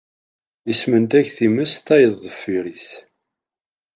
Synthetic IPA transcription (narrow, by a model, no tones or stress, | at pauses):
ismənt̪æçθiməst̪æjəðˤːəfːiɾiθ